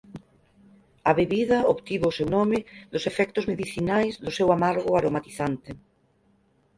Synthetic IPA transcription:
ɐβeβiðɐoβt̪iβoːsewnɔmɪðʊsefɛk̚t̪ʊzmeðiθinajzðʊsewamaɾɣʊaɾomat̪iθant̪ɪ

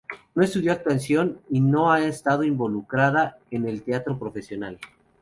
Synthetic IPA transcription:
no̞e̞st̪uðjo̞ak̚t̪wansjo̞nino̞aest̪að̞oimbo̞lukɾaðaene̞lt̪eat̪ɾopɾo̞fe̞sjo̞nal

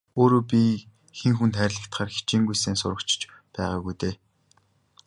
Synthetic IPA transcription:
oːɾoːpʲi | xeŋxunt̪ʰæːɾʲɮə̆kt̪χaːrxi̥t͡ɕiːŋɡujseːnsʊɾə̆kt͡ɕ̆ʰt͡ɕ | pæːʁaːɣujt̪eː

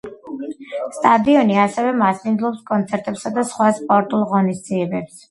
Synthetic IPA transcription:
st̪ʼad̪iɔniasɛvɛmasmind̪zlˠɔpskʼɔnt̪sʰɛɾt̪ʼɛpsad̪asχwaspʼɔɾt̪ʼulˠʁɔnisd̪ziɛbɛps

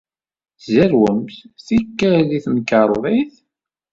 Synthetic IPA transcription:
zæɾwəmθθikːæliθnkɑɾˤðˤiθ

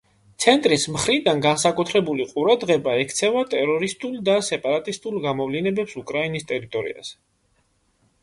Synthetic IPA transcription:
t̪sʰɛnt̪ʼɾismχɾid̪anɡansakʼut̪ʰɾɛbuliqʼuɾad̪ʁɛbaɛkʰt̪sʰɛvat̪ʼɛɾɔɾist̪ʼulˠd̪asɛpʼaɾat̪ʼist̪ʼulˠɡamɔvlinɛbɛpsukʼɾainist̪ʼɛɾit̪ʼɔɾḭa̰z̥ɛ̥

